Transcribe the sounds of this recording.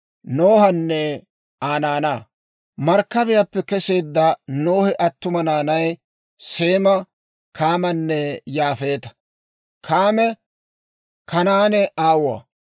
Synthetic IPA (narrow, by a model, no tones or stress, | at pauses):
noːhɐnːɛ | aːnaːnaː | mɐɾkːɐbɪjɐpːɛkɛse̞ːd̪ːɐnoːhɪʔɐt̪ːʊmɐnaːnɐj | seːmɐ | kʰaːmɐnːɛjaːfe̞ːt̪ɐ̥ | kʰaːmɛ | kʰɐnaːnɛʔaːwa̰ː